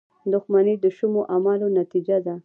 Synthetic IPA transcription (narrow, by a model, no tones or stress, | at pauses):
d̪ʊxmaned̪əʃʊmoʔamalonat̪id͡ʒad̪a